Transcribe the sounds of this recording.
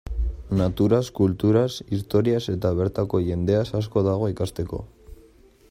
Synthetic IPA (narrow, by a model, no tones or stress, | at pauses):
nat̪uɾaskult̪uɾasist̪o̞ɾiase̞t̪aβ̞e̞ɾt̪ako̞ʝe̞nd̪e̞asasko̞ðaɣ̞o̞ikast̪e̞ko̞̰